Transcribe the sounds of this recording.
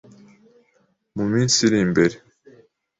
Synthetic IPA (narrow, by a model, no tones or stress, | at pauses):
muminsiɾimbeɾe